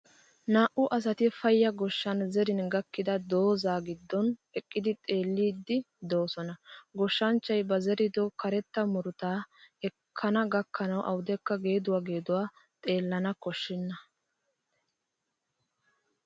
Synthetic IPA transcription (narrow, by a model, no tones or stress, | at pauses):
naːʔʊʔɐs̬ɐt̪ɪfɐjːɐɡɔʃːɐnzɛɾɪnɡɐkːɪd̪ɐd̪o̞ːzaːɡɪd̪ːɔnɛkʼːɪd̪ɪt̪ʼe̞ːlːiːd̪ːɪ | d̪o̞ːsɔnɐɡɔʃːɐnt͡ʃːɐjbɐzɛɾɪd̪ɔkɐɾɛt̪ːɐmʊɾʊt̪aːɛkʰːɐnɐɡɐkʰːɐnɐwʔɐ̰wd̪ɛkːɐɡe̞ːd̪ʊwaːɡe̞ːd̪ʊwaː | t̪ʼe̞ːlːɐnɐkɔʃːɪnːɐ